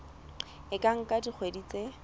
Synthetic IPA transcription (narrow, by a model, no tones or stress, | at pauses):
ɪkʼaŋ̩kʼadik͡xʰwedit͡se